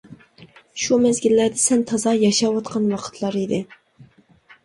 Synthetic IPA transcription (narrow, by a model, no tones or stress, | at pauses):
ʃumɛzɡʲilːæɾd̪ɛsɛnt̪ʰɑzɑjɑʃɑwɑt̪qʰɑnwɑqʰə̥t̪ʰlˠɑɾid̪ɪ